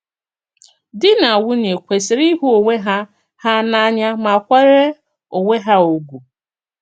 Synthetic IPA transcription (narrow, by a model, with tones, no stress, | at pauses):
dɪ˦na˨a˨wʊ˦n˨e˨kʷe˨sɪ˨ɾi˦ɦu˦o˨ŋʷe˦ɦa˦ | ha˦na˦ɲa˦ma˨kʷe˦ɾe˦ | o˨ŋe˦ɦa˦o˨ɡʷu˨